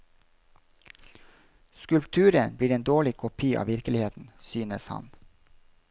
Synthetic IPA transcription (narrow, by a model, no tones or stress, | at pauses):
skʉlpt̪ʰʉːɾənbliːɾeːnd̪oːɭɪkʰʊpʰiːʔɑ̰ːʋɪɾkəlɪheːt̪n̩syːnəshɑ̰n